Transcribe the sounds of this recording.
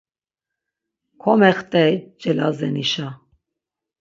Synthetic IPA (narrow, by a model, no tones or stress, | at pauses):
kʰɔmɛχt̪ʼɛd͡ʒʼɛlazɛniʃa